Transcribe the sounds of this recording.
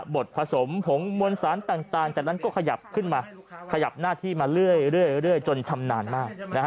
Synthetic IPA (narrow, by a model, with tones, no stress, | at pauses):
bo˨˩t̪̚pʰa˧so˩˦mpʰo˩˦mmu˧ənsaː˩˦nt̪aː˨˩ŋt̪aː˨˩ŋt͡ɕaː˨˩k̚na˦˥nkɔː˥˩kʰa˧ja˨˩p̚kʰɯ˥˩nmaː˧ | kʰa˧ja˨˩p̚naː˥˩t̪ʰiː˥˩maː˧ɾɯ˥˩əjɾɯ˥˩əjɾɯ˥˩əjt͡ɕo˧nt͡ɕʰa˧mnaː˧nmaː˥˩k̚na˦˥